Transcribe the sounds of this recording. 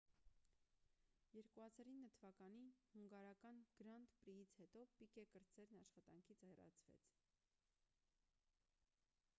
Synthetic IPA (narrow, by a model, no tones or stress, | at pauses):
jɛɾkuhɑzɑɾinːət̪ʰəvɑkɑnihuŋɡɑɾɑkɑnɡ̥ɾɑnt̪pɾijit͡sʰhɛt̪ɔpikɛkəɾt͡sɛɾnɑʃχɑt̪ɑŋkʰit͡sʰhɛrɑ̰t͡sʰvɛ̰t͡sʰ